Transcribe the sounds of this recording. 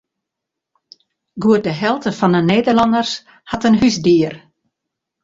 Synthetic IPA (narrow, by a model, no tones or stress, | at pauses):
ɡuət̚dəɦɛlˠtəfɔnənːeːdərlɔndərs | hatənɦysdiər